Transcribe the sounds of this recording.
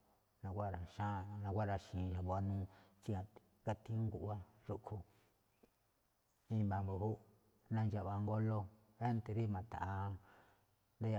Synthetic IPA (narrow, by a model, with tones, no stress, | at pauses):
nã˧kʷa˦˨ɾa˨ʃã˦˧nã˧kʷa˦ɾa˧ʃĩː˨˧ʒa˨βo˧a˧nũ˦t͡ʃi˦ã˧ | ka˧t̪ĩ˦ŋɡu˨ʔa˦ | ʐu˦kʰu˧ | ĩ˦mba˨mbu˧˨hu˦ | nã˧nd͡ʒa˧ʔβa˨˧ŋɡo˦lo˧ | e˦nt̪e˧ɾi˦mã˨t̪a̰˨ʔa˧ | nd̪a˦ja˧